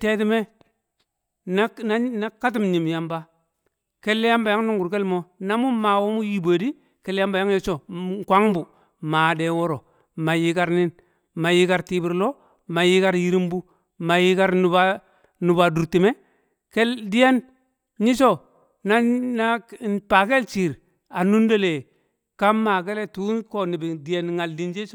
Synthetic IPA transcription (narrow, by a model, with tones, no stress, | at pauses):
te˦ti˦me˦ | na˦na˦na˦ka˦t̬i˦mɲi˨m˨ja˨mba˦ | ke˦lːe˦ja˦mba˨ja˦ŋnu˦ŋɡu˨ɾke˦lmo˦na˦mu˦ma˨wo˦mu˦ji˦bo˨di˦ | ke˦lːja˦mba˨ja˦ŋji˦t͡ʃo˨kʷa˦ŋbu˨ | ma˨de˨wo˦ɾo˨ | ma˨ji˦ka˦ɾni˦n | ma˨ji˦ka˨ɾti˦bi˨ɾlo˦ | ma˨ji˦ka˦ɾji˦ɾi˦mbu˦ | ma˨ji˦ka˦ɾnu˨ba˦ | nu˨ba˨du˨ɾti˨me˦ | ke˦ldi˦je˦n | ɲi˦t͡ʃo˦ | na˦na˦˨pa˨ke˦lt͡ʃi˨ɾ | a˨nu˦ndo˦le˨ | ka˦ma˨k̬e˦le˦tu˦ko˨ni˨bi˨di˨je˦nŋa˨ldi˦nd͡ʒe˦t͡ʃo˦